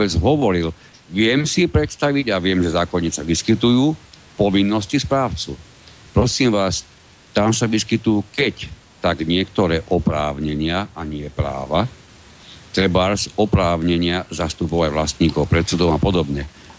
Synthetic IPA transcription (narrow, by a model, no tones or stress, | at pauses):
ɔbɛd͡zɦɔʋɔɾil | ʋɪɛmsipɾɛt̪st̪aʋiɟaʋɪɛmʒɛzaːkɔɲisaʋiskit̪ujuː | pɔʋinːɔscispɾaːʊt͡sṵ | pɾɔsiːmʋaːs | t̪amsaʋiskit̪uːkɛc | t̪aɡɲɪɛkt̪ɔɾɛːʔɔpɾaːʊɲɛɲɪaaɲɪɛpɾa̰ːʋa | t̪ɾɛbaɾsɔpɾaːʊɲɛɲɪazast̪upɔʊajʋlast̪ɲiːkɔʊpɾɛt̪sud̪ɔmapɔd̪ɔbɲɛ